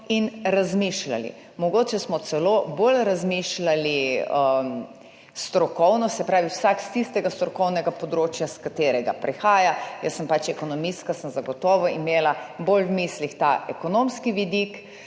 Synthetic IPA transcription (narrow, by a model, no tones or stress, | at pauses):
inɾazmiʃla̰lḭ | mɔɡoːt͡ʃɛsmɔt̪sɛlobolɾazmiʃlaliə | st̪ɾɔkɔwnɔsɛpɾaːʋiwsakst̪ist̪ɛɡast̪ɾɔkɔwnɛɡapɔd̪ɾoːt͡ʃjaskat̪eːɾɛɡa̰pɾʔɛxaːjajəsːəmpat͡ʃɛkonɔmist̪kasəmzaɡɔt̪ɔːʋɔimeːlabolwmiːslixt̪aʔɛkonomskiʋid̪ik